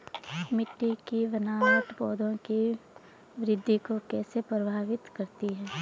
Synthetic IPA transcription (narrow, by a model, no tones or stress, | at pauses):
mɪʈːikiʋɐnaːwəʈ̪bɔːd̪ʱõki | ʋɪɾɪd̪ʱːikokɛːsepɾɐbʱaːʋɪt̪kɐɾt̪iɦɛː